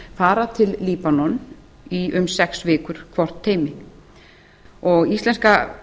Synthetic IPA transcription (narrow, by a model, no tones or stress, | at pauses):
faːɾat̪ʰɪlːiːpanɔn | iʔʏmsɛksvɪːkʏɾ̥kʰvɔr̥t̪ʰːeːjmɪ | ɔɣist̪lɛnska